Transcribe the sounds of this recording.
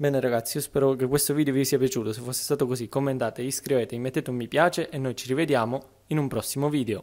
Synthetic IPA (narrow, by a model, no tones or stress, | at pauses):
bɛːneɾaɡat̪sːiiospɛːɾokekwest̪oviːd̪eovisiːapjat͡ʃuːt̪osefːosːe̥st̪aːt̪okozikːomːent̪aːt̪eiskɾiveːt̪eimːet̪ːeːt̪mːipjaːt͡ʃeʔenːojt͡ʃirived̪jaːmo | inumpɾɔsːimoviːd̪eo